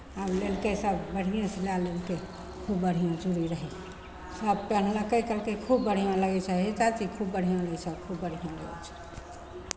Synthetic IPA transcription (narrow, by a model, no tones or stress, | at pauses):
ablelkesəbbəɽ̤ijãselalelke | kʰubːəɽ̤ijãd͡ʒuɾiɾəɦĩ | səb̚pən̤ləkəkəlkekʰubːəɽ̤ijãləɡɛt͡ʃʰaɦit͡ʃat͡ʃ̪ikʰubːəɽ̤ijãləɡt͡ʃʰɛkʰubːəɽ̤ʱijãləɡɛ̰t͡ʃʰɛ̥